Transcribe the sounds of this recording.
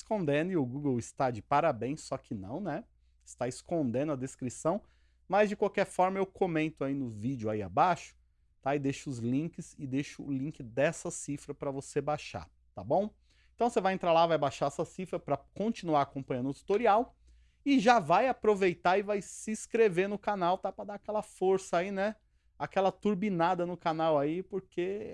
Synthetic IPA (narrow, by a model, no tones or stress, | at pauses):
ɪskõnd̪ẽnd̪ʊɪʊɡuɡewɪst̪ad͡ʒɪpaɾabẽj̃sːɔkʰɪnɐ̰̃w̃nɛ | ɪst̪aɪskõnd̪ẽnʊɐd̪eskɾisɐ̃w̃ | mɐzd͡ʒɪkwawkɛɾfɔɾmɐewkʰomẽnt̪ʊainʊvid͡ʒʊaia̰baʃʊ̥ | t̪aɪd̪eʃʊːzlĩŋkɪsɪd̪eʃʊʊ̰lĩŋkɪd̪ɛsɐsifɾɐpɾɐvosebaʃa̰ɾ | t̪abõw̃ | eẽt̪ɐ̃w̃sevajẽnt̪ɾalavajbaʃaɛsɐsifɾɐpɾɐkõt͡ʃinuaɾakõpɐ̃ɲ̃ɐ̃nd̪ʊt̪u̥t̪oɾiaw | ɪʒavajapɾovejt̪aɪvajsɪskɾevenʊkanawt̪apɾɐd̪aakɛlɐfoɾsɐainɛ | akɛlɐt̪uɾbinad̪ɐnʊkanawaipoɾkʰe